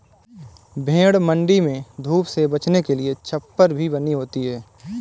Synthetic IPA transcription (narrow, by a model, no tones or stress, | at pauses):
bʱẽːɽmə̃ɳɖimẽd̪ʱuːpsebɐt͡ʃnekeliet͡ʃʰɐpːəɾbʱibəniɦoːt̪iɦɛː